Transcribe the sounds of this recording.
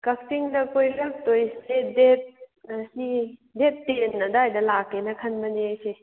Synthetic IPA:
kɐk̚tiŋdɐkojɾɐk̚tojsedet̚ɐsidep̚tenːɐdɐajdɐlakenɐkʰɐnbɐneajse

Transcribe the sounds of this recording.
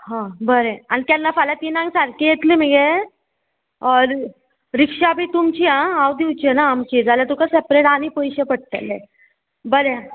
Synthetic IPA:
ɦãbəɾeañit̪janːafalat̪inãŋɡsaɾkijet̪lim̤iɡe | ɾikʂabʱiːt̪umt͡ɕiãawd̪iwt͡ɕianaːmt͡ɕid͡zaljat̪ukasepɾeʈaɽ̃ipɔjɕepəɽ̚t̪ḛlːe | bəɾe

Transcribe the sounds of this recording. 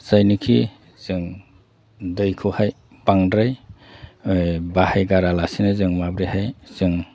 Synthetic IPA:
sajnikʰi | zɯŋ | dɯjkʰuhaj | paŋdɾaj | bahajɡaɾalasinɯzɯŋmabɾihajzɯŋ

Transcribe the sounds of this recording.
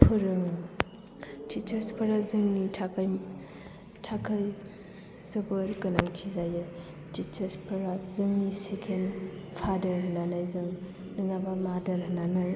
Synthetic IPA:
pʰɯɾɯŋ | tit͡ʃɐɾspʰɐɾazɯŋnitʰaj | tʰakʰaj | sɐbɯɾkɯnaŋtʰizaje | tit͡ʃɐɾspʰɐɾazɯŋnisekʰenpʰadɐɾɦnanajzɯŋ | nɯŋabamadɐɾɦnanaj

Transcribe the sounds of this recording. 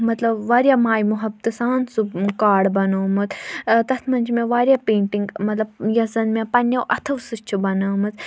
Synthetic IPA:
mɐt̪lɐbʋaːɾjaːmaːjmuɦɐb̚t̪ɨsaːnsukaːɽbɐnoːmɨt͡s̪t̪ɐt̪ʰmɐnʲd͡ʒʰmẽʋaːɾjaːpẽːɳʈiŋɡmɐt̪lɐbjɐzɐnmẽpɐnːɐwʔɐt̪ʰɐʋsɨst͡ʃʰubɐnɐːmɨt͡s

